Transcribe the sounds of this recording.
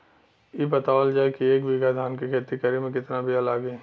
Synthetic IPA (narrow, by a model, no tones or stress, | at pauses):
jebɐt̪aːʋəld͡ʒaːekieːkʋɪɡad̪ʱaːnkikʰeːt̪ikəɾimẽkɪt̪nabʱialaːɡẽː